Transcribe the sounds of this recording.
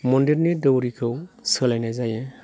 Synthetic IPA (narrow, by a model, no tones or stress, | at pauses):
mɔndiɾnidɯwɾikʰɯwsɯlajnajzaje